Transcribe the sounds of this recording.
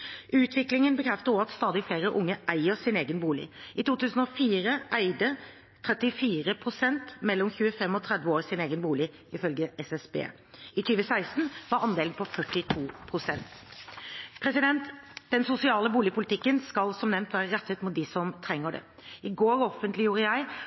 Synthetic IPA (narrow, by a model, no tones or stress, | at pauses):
ʉːt̪ʰʋɪklɪŋənbəkʰɾɛft̪əʁɔɑt̪st̪ɑːd̪ɪfleːɾəʔʊŋːəʔæɪəsɪneːɡənbuːlɪ̰ɪt̪uːt̪ʉːsn̩ɔfiːɾəʔæɪd̪ə | t̪ʰɾɛt̪ɪfiːɾəpʰʁʊsɛnt̪mɛlːɔmçʉːəfɛmɔt̪ʰʁɛd̪ʋəoːʁsɪneːɡənbuːlɪ | ɪfœlɡəɛsɛsbḛː | ɪt̪ʰyːʋəsæɪst̪n̩ʋɑɾɑnd̪eːln̩pʰɔfœʈːɪt̪ʰuːpʰɾʊsɛnt̪ | pʰɾɛsɪd̪ɛnt̪d̪̥ɛnsʊsɪɑːləbuːlɪpʰʊlɪt̪ʰɪkːənskɑlsɔmnɛmnt̪ʰʋæːɾəʁɛt̪ːət̪mʊt̪̚d̪ɪsɔmt̪ʰɾɛŋːəɖɛ̰ | ɪɡoːɾɔfənt̪ʰlɪjuːɾəjæɪ